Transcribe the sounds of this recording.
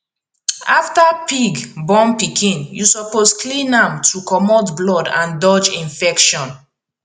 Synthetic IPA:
aftapiɡbɔ̃mpikʰĩnjusɔposklĩnãmtʰukɔmɔtblɔdã̰ndɔd͡ʒĩnfɛkʃɔ̃n

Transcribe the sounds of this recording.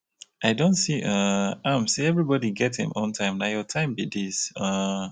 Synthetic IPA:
ʔaɪdõntsiʔʌ̃ãmsiɛvɹibɔdiɡɛthɨ̰̃mʔɔ̃ntʰãɪ̃mnajɔtʰãɪ̃mbidisʌ̃

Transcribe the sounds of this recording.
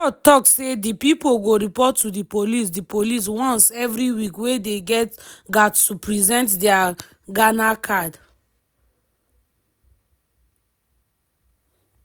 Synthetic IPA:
ɔtɔksedipipoɡoɹipɔtːudipolis̬dipolis̬wɔ̃nsɛvɹiwikwedeɡɛtɡattupɹizɛ̃ntdɛa | ɡanakʰad

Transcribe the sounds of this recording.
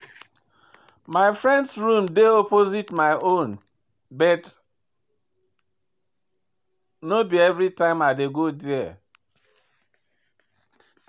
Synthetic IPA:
maɪfɹɛ̃ndsɹũmdeɔpozitmaɪʔõn | bɛt | nobiɛvɾitãɪ̃maɪdeɡodiɛ

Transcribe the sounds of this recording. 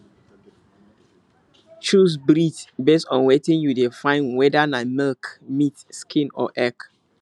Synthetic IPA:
t͡ʃus̬bɹitbestɔ̃nwɛtĩnjudefãɪnwɛdanamɛlkmitskʰĩnɔ̰ʔɛk

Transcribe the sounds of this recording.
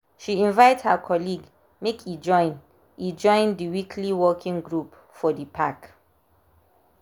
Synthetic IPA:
ʃiĩnvaɪthəkʰɔliɡ | mekʰid͡ʒɔ̃ɪ̃n | id͡ʒɔ̃ɪ̃ndiwikʰliwɔkʰĩŋɡɹup | fɔdəpʰak

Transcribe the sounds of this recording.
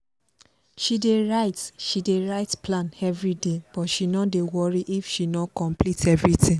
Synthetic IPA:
ʃideɹaɪtʃideɹaɪtplãnɛvɹideb̥ɔtʃinɔdewɔɹiʔifʃinɔkɔ̃mplitʰɛvɹitʰĩŋ

